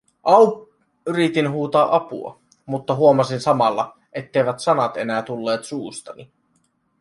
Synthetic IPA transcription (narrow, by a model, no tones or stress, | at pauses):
ʔɑw | yɾit̪inɦuːt̪ɑːʔɑpṵɑ̰ | mut̪ːɑɦuomɑsinsɑmɑlːɑ | ʔet̪ːejʋæt̪sɑnɑt̪e̞næːt̪ulːe̞ːt̪suːst̪ɑni